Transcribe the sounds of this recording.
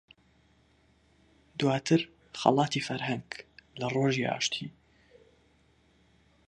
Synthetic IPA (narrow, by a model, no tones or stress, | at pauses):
d̪waːt̪ʰɨɾ | xɑ̰lˠɑːt̪ifɐɾhɐŋɡlɐroʒiʔa̰ːʃt̪ʰi